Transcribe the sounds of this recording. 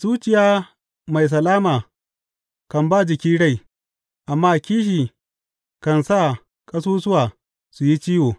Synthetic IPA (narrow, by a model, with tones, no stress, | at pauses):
z̥uː˦t͡ʃɪ˨jaː˦ | ma˨js̬ɐ˨laː˦maː˨ | kɐ˨mba˦˨d͡ʒɪ˨kʲiː˦ɽa˦˨j | ʔa˨mːaː˦kʲiː˦ʃ̬iː˨ | kɐ˨nsa˦˨ | kʼɐ˦s̬uː˦sʊ˦waː˨ | su˨ji˦t͡ʃiː˦woː˨